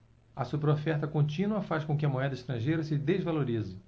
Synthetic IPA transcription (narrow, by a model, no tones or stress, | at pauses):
ɐsupeɾofɛɾt̪ɐkõnt͡ʃĩnuɐfaʃkõkɪɐmoɛd̪ɐɪʃt̪ɾɐ̃ʒejɾɐsɪd̪ezvaloɾizɪ